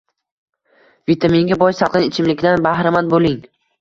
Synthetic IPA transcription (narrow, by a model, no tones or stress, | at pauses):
vit̪ʰameŋɡʲabɒjsɑlˠɪnɪt͡ʃʰɪmlɪkʲd̪anbahɾɪmanbolɪŋ